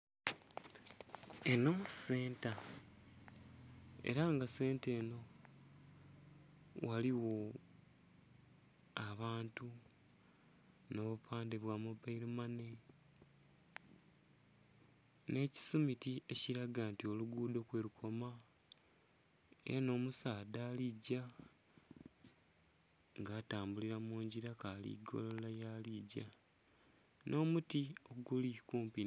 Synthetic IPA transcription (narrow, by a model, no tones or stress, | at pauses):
eno̞muse̞ːnta | e̞̰ɾaŋɡase̞ːnte̞ːno̞ | wʔaliwo̞ | aβaːntu | no̞βupʰaːndeβwaːmubaiɾimane̞ | ne̞ːci̥sumitie̞ciɾaɡaːntio̞luɡuːdo̞kwe̞ːɾukʰo̞ma | e̞̰ɾano̞ːmusaːdaːliɟa | ŋɡaːtaːmbuliɾamuːɲɟiɾakaːlḭɡo̞̰lolajaliɟa | nʔo̞ːmutio̞ɡulikuːmpi